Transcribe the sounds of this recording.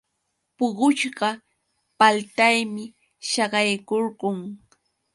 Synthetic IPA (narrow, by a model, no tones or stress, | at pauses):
pʊɢʊt͡ʃɢɑ | palt̪ajmɪ | ʃɑɢɑjkoɾɢʊŋ